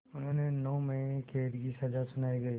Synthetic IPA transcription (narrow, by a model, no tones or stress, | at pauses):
ʊnɦõːnenɔːmɐ̃kʰeːɾkisɐzasʊnaːiɡɐi